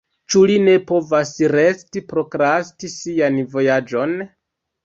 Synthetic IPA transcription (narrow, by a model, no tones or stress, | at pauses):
t͡ʃuline̞po̞vasɾe̞stipɾo̞kɾastisianvo̞jad͡ʒo̞n